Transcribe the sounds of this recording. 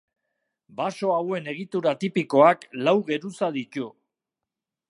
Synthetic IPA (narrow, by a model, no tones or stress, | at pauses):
baso̞awe̞ne̞ɣ̞it̪uɾat̪ipiko̞aklawɣe̞ɾusaðit̪u